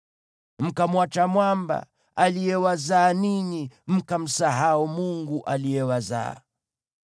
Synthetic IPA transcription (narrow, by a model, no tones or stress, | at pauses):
m̩kamwat͡ʃamwamba̰ | alijɛwazaːniɲim̩kam̩saɦaumuŋɡuʔalijɛwaza̰